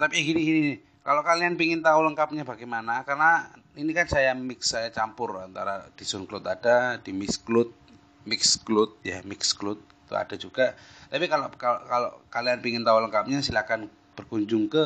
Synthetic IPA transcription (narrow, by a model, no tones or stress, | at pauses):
t̪apiaɡiniɡinin | kalokalianpiŋɪnt̪auləŋkap̚ɲabaɡɛjmanakarna | inikansajamɪksːajat͡ʃampʊra̰nt̪aɾad̥isʊnklʊt̪adadimɪsklʊt̪̚ | mɪksklʊt̪̚ja̰mɪksklʊt̪̚i̥t̪ṵa̰dad͡ʒuɡat̪apikalokakalo̰kalianpiŋɪnt̪auləŋkap̚ɲasilakan | b̥ərkuɲd͡ʒʊŋkə